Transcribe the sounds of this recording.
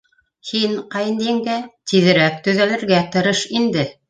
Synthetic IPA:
hinqɑj̆nd̪iŋɡæt̪iðɘ̆ɾæk̚t̪ɵ̆ðælɘ̆ɾɡæt̪ɤ̆ɾɤʃind̪ɘ

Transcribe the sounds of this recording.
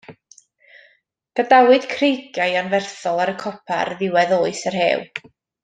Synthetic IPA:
d̥adawɨd̥kʰrejɡjajanvɛrθɔlˠaɾəkʰɔpʰa̰rðɪwɛðoːɨsərhḛːw

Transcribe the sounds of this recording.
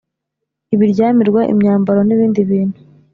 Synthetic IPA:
iβiɾɟaːmiɾɡwaʔḭmɲaːmbaɾo̞niβiːndiβiːn̥hu

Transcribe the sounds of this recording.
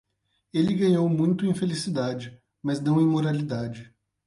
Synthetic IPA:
elɪɡɐ̃ɲowmũj̃t̪ʊẽj̃felisid̪ad͡ʒɪ | mɐznɐ̃w̃ẽj̃moɾalid̪ad͡ʒɪ

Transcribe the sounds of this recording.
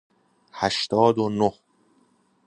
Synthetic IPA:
hæʃt̪ɒːd̪onoh

